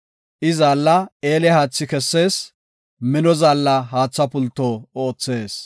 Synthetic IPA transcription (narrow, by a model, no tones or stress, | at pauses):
ʔɪzaːlːɐeːlɛhaːt͡sːɪkɛsːe̞ːs | mɪnɔzaːlːɐɦaːt͡sːɐpʊlt̪ːoːoːt͡sːe̞ːs